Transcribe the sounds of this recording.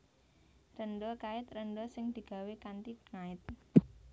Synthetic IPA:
rənɖɔkaɪt̪̚rənɖɔsɪŋd̪̥i̤ɡ̥a̤wekant̪iŋaɪt̪̚

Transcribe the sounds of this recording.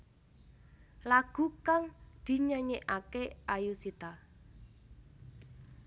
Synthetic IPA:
laɡ̥ṳkaŋd̪̥i̤ɲəɲeʔakeajusit̪a

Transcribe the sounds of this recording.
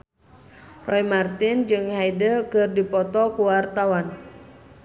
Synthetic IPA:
rɔjmart̪ɪnd͡ʒɨŋhajdəkɨrdipɔt̪ɔkuwart̪awan

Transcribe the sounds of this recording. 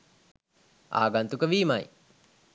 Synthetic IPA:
a̰ːaɡant̪ukəʋiːmaj

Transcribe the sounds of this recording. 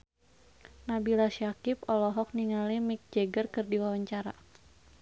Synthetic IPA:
nabilaʃjakipɔlɔɦɔk̚niŋalimik̚d͡ʒɛɡərkɨrdiwawaɲt͡ʃaɾa̰

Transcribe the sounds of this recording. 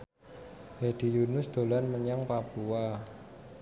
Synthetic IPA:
hed̪̥i̤junʊsd̪̥o̤lanməɲaŋpapua

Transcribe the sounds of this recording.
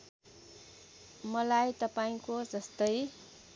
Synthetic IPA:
mʌlajt̪ʌpaĩkod͡zʌst̪ʌj

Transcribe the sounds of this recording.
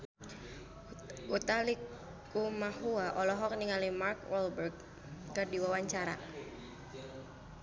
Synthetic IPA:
ut̪alik | umahuaʔɔlɔɦɔk̚niŋalimarkwɔlbərɡ̚ | kɨrdiwawaɲt͡ʃaɾa̰

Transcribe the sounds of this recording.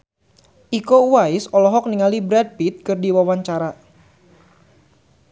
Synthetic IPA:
ʔikouwaɪsɔlɔɦɔk̚niŋalibɾɛd̚pit̪̚kɨrdiwawaɲt͡ʃaɾa

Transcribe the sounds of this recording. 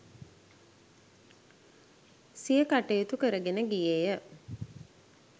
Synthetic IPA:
sijəkaʈejut̪ukəɾəɡenəɡijejə

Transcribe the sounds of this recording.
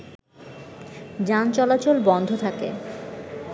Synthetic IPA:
d͡ʑant͡ɕɔlat͡ɕolbɔnd̪ʱot̪ʰakḛ

